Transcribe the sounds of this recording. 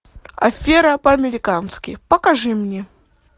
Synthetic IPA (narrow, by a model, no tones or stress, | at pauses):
ɐ̰fʲeɾɐpɐɐmʲɪɾʲɪkanskʲɪ̰pəkɐʐɨmnʲe